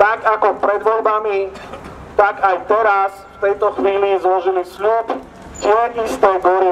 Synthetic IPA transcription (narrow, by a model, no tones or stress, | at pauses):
t̪aɡakɔpɾɛd̪ʋɔlbami | t̪aɡajt̪ɛɾas | ft̪ɛjt̪ɔxʋiːlizlɔʒilisluːp | t̪ɪɛist̪ɛjbɔɾi